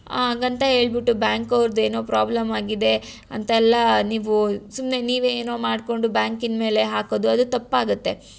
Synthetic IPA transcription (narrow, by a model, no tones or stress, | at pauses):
aːɡɐnt̪ɐɦe̞ːɭbiʈːubjaːŋkɐʋɾd̪ue̞ːno̞ːpɾaːblɐmaːɡid̪e̞ | ɐnt̪ɐɛlːɐniːʋusumne̞niːʋeːno̞ːmaːɖko̞ɳɖubjaːŋkinme̞ːle̞ɦaːkoːd̪uɐd̪ut̪ɐpːaːɡut̪ːe̞